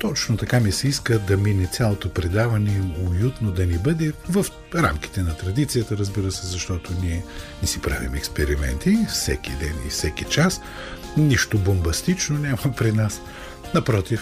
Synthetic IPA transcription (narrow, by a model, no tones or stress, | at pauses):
t̪ɔt͡ʃnot̪ɐkamisɛiskəd̪ɐminɛt̪sʲjalˠot̪opɾɛd̪avɐnɛojut̪nod̪ɐnibɤd̪ɛvəf | ɾa̰mki̥t̪ɛnɐt̪ɾɐd̪it̪sijət̪əɾəzbiɾəsɛzɐʃt̪ɔt̪oniɛnɛsipɾa̰vḭmɛkspɛɾimɛ̰nt̪ifsɛkid̪ɛnḭfsɛkit͡ʃas | niʃt̪obombɐst̪it͡ʃnonʲamɐpɾinas | nɐpɾɔt̪if